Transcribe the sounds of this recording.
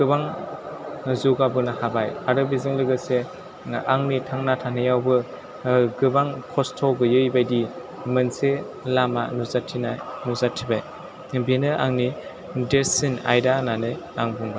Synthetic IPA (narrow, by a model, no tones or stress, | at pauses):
ɡɯbaŋ | zuɡabɯnahabajaɾɯbizɯŋlɯɡɯse | aŋnitʰaŋnatʰanɯjawbɯ | ɡɯbaŋkʰɔstʰɔɡɯjɯjbajdi | mɯnse | lamanuzatʰinanuzatʰibaj | benɯʔa̰ŋni | desina̰jdananɯj | aŋbuŋba